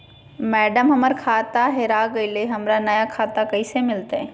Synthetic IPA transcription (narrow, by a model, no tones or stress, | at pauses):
mɛːɖəmɦɐməɾkʰaːt̪aɦɛɾaːɡɐileɦɐmɾanɐjakʰaːt̪akɐisemɪlt̪eɛ